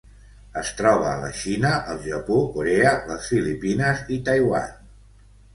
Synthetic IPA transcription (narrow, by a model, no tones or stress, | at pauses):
əst̪ɾɔβ̞əːlə̰ʃinəʔəlˠʒəpokuɾeələsfilipinəzit̪əjwa̰n